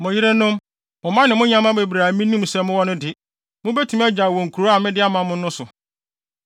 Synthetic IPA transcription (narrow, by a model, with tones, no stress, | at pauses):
mʊ̃˨ji˦ɾe˦nʊ̃˦m | mʊ̃˨mã˦nɪ̃˨mʊ̃˦ɲã˦mã˦be˨bɾa˨mĩ˦nĩ˦m˨sɛ˨mʊ̃˦wɔ˦nʊ̃˦dɪ˨ | mʊ̃˦be˦tʰũ˨˦mɛ˦d͡ʑa˨wɔ̃˨ŋ̩˨kʰu˨ɾo˦a˨mɪ̃˦dɪ˦a˦mã˨˦mʊ̃˦n˦ʊ̃˦sʊ˨